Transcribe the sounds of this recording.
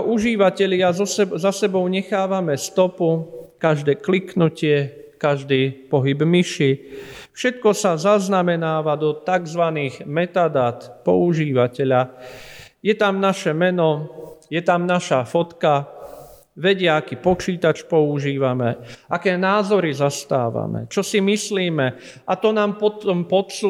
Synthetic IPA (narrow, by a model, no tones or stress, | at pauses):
ʔuʒiːʋacɛʎɪazɔszasɛbɔʊɲɛxaːʋamɛst̪ɔpukaʒd̪ɛːkliknucɪɛ | kaʒd̪iːpɔɦibmiʃifʃɛt̪kɔsazaznamɛnaːʋad̪ɔt̪aɡzʋaniːɣmɛt̪ad̪aːt̪pɔ̰uʒiːʋacɛʎa | jɛt̪amnaʃɛmɛnɔjɛt̪amnaʃafɔt̪ka | ʋɛɟɪɛakiːpɔt͡ʃiːt̪at͡ʃpɔuʒiːʋamɛʔakɛːnaːzɔɾizast̪a̰ːʋa̰mɛ̰t͡ʃɔsimisliːmɛ | ʔat̪ɔnaːmpɔt̪ɔmpɔt̪su